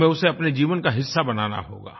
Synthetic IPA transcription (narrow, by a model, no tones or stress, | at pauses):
ẽʊseɐpned͡ʒiːʋənkaɦɪsːabɐna̰ːna̰ɦo̰ːɡa̰ː